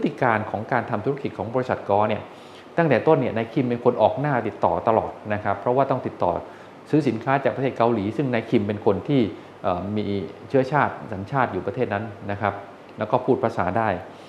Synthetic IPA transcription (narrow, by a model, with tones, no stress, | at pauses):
pʰt̪ʰːi˧˩kaː˧nkʰɔː˩˦ŋkaː˧nt̪ʰa˧mt̪ʰu˦˥a˥ki˨˩t̪̚kʰɔː˩˦ŋbɔ˧ɾi˥sa˨˩t̪̚kɔː˧˩ni˥˩ɐ | t̪a˥˩ŋt̪ɛː˨˩t̪o˥˩nːi˥˩ɐnaː˧jkʰi˧mpe˧nkʰo˧nʔɔː˨˩k̚naː˥˩t̪i˨˩t̪ːɔː˨˩t̪a˧lɔ̰ː˨˩t̪̚na˦˥kʰɾa˦˥pʰːɾɔ˦˥waː˥˩t̪ɔ˥˩ŋt̪i˨˩t̪ːɔ̰ː˨˩ | sɯː˦˥si˩˦nkʰaː˦˥t͡ɕaː˨˩k̚pa˧t̪ʰe˥˩t̚ka˧wliː˩˦sɯ˥˩ŋna˧jkʰi˧mpe˧nkʰo˧nt̪ʰiː˥˩ | ʔəː˨˩miː˧t͡ɕʰɯ˦˥ɐt͡ɕʰaː˥˩t̪̚sa˩˦nt͡ɕʰaː˥˩t̪̚juː˨˩pɾa˧t̪ʰeː˥˩t̪̚na˦˥nːa˦˥kʰɾa˦˥p̚ | lɛ˦˥wkɔː˥˩pʰuː˥˩t̪̚pʰɾa˧sa̰ː˩˦daː˥˩j